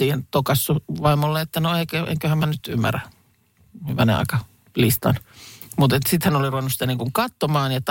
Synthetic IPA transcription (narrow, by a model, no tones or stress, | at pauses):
iːhent̪okɑsːuʋɑimolːeet̪ːænoekøʔḛŋkøhæmænyt̪ymːæ̰ræ | ʋæ̰nḛɑ̰ˑikɑ | list̪ɑ̰nmut̪et̪sit̪hænoliruʋenusit̪æniːŋkuŋkɑt̪ːomɑːnjɑt̪